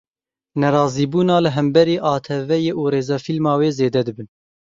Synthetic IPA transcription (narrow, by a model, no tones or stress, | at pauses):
nɛɾɑːziːbuːnɑːlɨɦɛmbɛɾiːʔɑːt̪ʰɛvɛjeːʔuːɾeːzɑːfilmɑːweːzeːd̪ɛd̪ɨbɨn